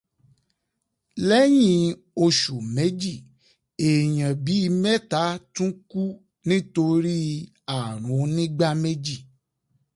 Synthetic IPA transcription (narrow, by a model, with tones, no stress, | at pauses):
lɛ˦j̃ĩ˧˦ | o˧ʃu˨me˨˦d͡ʒi˦˨ | e˨j̃ã˨bi˨˦i˧mɛ˦ta˨˦tũ˦ku˦ | nĩ˦to˧ɾi˦ | a˦˨ɾ̃ũ˨˦nĩ˦ɡ͡ba˦me˦d͡ʒi˦˨